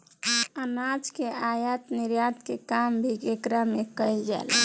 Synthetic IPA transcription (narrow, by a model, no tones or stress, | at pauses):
ənad͡ʒkeajat̪niɾjat̪kekambʱikekɾamekəjld͡ʒa̰l